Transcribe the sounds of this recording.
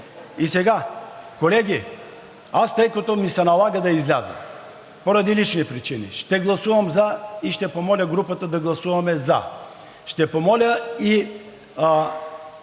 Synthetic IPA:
isɛɡakolɛɡʲi | ast̪əjkɐt̪omisɛnɐlˠaɡəd̪ɐizlʲazɐ̰ | poɾɐd̪ilit͡ʃnipɾit͡ʃinḭʃt̪ɛɡlˠɐsuvɐmzɐiʃt̪ɛpomɔlʲəɡɾupət̪əd̪ɐɡlˠɐsuvɐmɛzɐ̰ | ʃt̪ɛpomɔlʲəi

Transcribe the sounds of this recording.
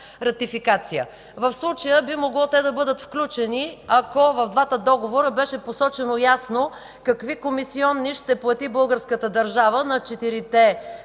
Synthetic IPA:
ɾɐt̪ifikat̪sijə̰ | vɐfslˠut͡ʃəjəbimoɡlˠɔt̪ɛd̪ɐbɤd̪ət̪fklʲut͡ʃɛniɐkovɐvd̪vat̪əd̪ɔɡovoɾəbɛʃɛposɔt͡ʃɛnojasno | kɐkvikomisiɔnːiʃt̪ɛplˠɐt̪ibɤlˠɡəɾskət̪əd̪ɐɾʒavənɐt͡ʃɛt̪iɾit̪ɛ

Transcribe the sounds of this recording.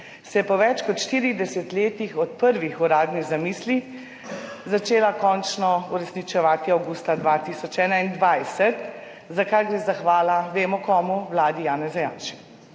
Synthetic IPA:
sɛjɛpɔʋɛt͡ʃkɔt̪ʃt̪iːɾid̪ɛsɛt̪leːt̪ixɔt̪̚pəɾʋixuɾaːd̪niɣzamiːsli | zat͡ʃeːlakɔnt͡ʃnɔuɾɛsnit͡ʃɛʋaːt̪iawɡust̪ad̪ʋat̪isɔt͡ʃɛːnaind̪ʋajsɛt̪ | zakajɡɾeːzaxʋaːlaʋeːmɔkɔːmuwlaːd̪ijaːnɛzajaːnʃi̥k

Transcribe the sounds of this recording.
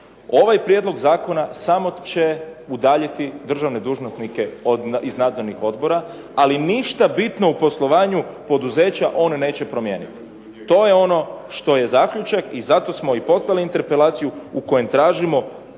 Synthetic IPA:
o̞ʋajpɾjed̪lˠo̞ɡzaːko̞nasamo̞t͡ɕe̞ud̪aːʎit̪id̪r̩ʒaʋne̞d̪uːʒnosnike̞od̪iznaːd̪zo̞ɾnixo̞d̪bo̞ɾa | aliniʃt̪abit̪no̞upo̞slˠo̞ʋaːɲupo̞d̪uze̞ːt͡ɕaʔo̞nne̞ːt͡ɕe̞pɾo̞mje̞ːnit̪i̥ | t̪o̞jeo̞no̞ʃt̪o̞je̞zakʎut͡ʃakizat̪o̞smo̞ipo̞st̪aliint̪e̞ɾpe̞laːt̪sijuuko̞je̞mt̪ɾaːʒimo̞

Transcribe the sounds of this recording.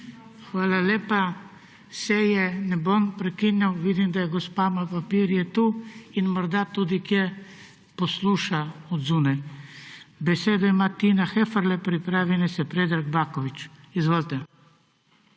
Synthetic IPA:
xʋaːlalʲeːpa | sɛjɛnɛbompɾɛkinjawʋid̪imd̪ajɛɡɔspamapapiɾjɛt̪uinmɔɾd̪at̪uːd̪ikjɛ | pɔsluːʃaɔd̪zuːnaj | bɛseːd̪ɔimat̪inaxɛfəɾlɛpɾipɾaːʋinɛsɛpɾed̪ɾaɡbaːkɔʋit͡ʃizʋoːlt̪ɛ

